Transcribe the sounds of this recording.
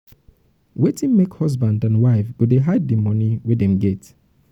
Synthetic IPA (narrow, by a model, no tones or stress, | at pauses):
wetʰĩnmekhɔsbãndãnwaɪfɡ̥udeɦaɪd̚emɔniwedɛ̃mɡɛt